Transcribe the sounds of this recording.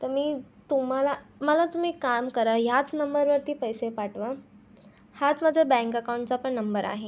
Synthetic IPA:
t̪əɾmiːt̪um̤alaməlat̪um̤iːkamkəɾaɦjat͡snəmbəɾʋəɾt̪iːpəjsepaʈʋa | hat͡smad͡ʑʱabɛ̃ŋkəkawɳʈt͡sapəɳnəmbəɾa̰ɦe

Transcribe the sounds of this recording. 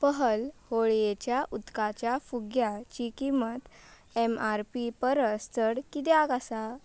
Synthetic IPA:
pəɦəlhoɭjet͡ɕjaʔut̪kat͡ɕjafuɡjat͡ɕikimət̪ | emaɾpipəɾəst̪əɽkit̪eakasa

